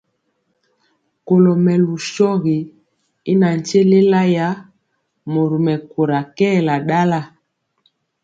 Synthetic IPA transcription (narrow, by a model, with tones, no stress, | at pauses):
ko˨lɔ˨mɛ˨lu˨ʃɔ˦ɣi˨ | i˦na˨n̩˨t͡ʃe˦le˦la˦ja˨˦ | mo˨ɾu˨mɛ˨ko˨ɾa˨kɛ˦˨la˨ɗa˦la˦˨